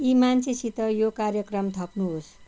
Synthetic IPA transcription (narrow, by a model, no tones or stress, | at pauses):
imant͡sʰesit̪ʌjokaɾjʌkrʌmt̪ʰʌpnuɦos